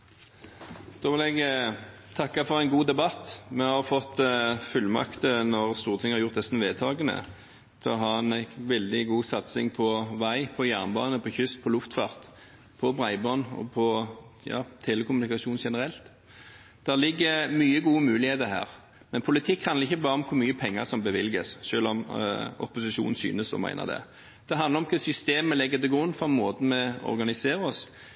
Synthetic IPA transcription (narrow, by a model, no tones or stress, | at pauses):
d̪̥oːʋɪlɛɡ | t̪ʰɑkːɑfɔʁæɪnɡuːd̪ɛbɑt̪ːmɛhɑʁfɔt̪ːfʉlːmɑ̰kt̪ənɔʁst̪uːʁt̪ʰɪŋːəhɑʁjʊʁt̪ɛsn̩ʋeːd̪t̪ʰɑːɡənə̰ | t̪ʰɛɔɦɑːɛnæʋɛld̪ɪɡuːsɑt̪sɪ̰ŋpʰɔʋæɪpʰɔjæʁnbɑ̰ːnəpʰɔçʏst̪̚pʰɔlʊft̪fɑ̰ːʁt̪ | pʰɔbʁæɪbɑːnɔ̰pʰɔ | jɑ̰ːt̪ʰeːləkʰʊmʉnɪkɑʃuːnʃɛnəɾɛlt̪ | d̪̥ælɪɡːəmyːəɡuːəmʉːlɪheːt̪əɦæ̰ːʁ | mɛnpʰʊlɪt̪ʰɪkːhɑnəʁɪçːəbɑːɾəɔmkʰʊɾmyːəpʰɛŋːə̰ʁsɔmbəʋɪlɡəsʃøːlɔmɔ̰pʊsɪʃṵːnn̩sy̰ːnəsɔ̰mæ̰ɪnə̰ʁd̪ɛ̰ | d̪̥ɛɦɑnʁɾɔmkʰəsʏst̪eːməlɪɡːət̪ɪɡʊnːfɔmoːt̪ən̩mɛɔ̰ɾɡɑnɪseːɾəɔs